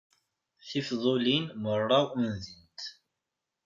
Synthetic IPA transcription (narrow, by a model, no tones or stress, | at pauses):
θifðˤolinmərˤːɑunðənt̪